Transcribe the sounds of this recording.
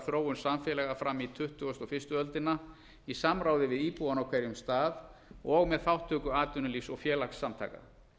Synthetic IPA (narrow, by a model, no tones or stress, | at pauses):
θɾoːwʏnsamfɛlɛɣafɾamit̪ʰʏht̪ʏɔst̪ɔfɪrst̪ʏœlt̪ɪnːa | isamɾaːwðɪvɪðiːpuanawkʰvɛɾjʏmst̪aːðɔɣmɛðθawht̪ʰːœːkʏaːt̪ʏnʏlisɔɣfjɛːlaxsːamt̪ʰa̰ːka̰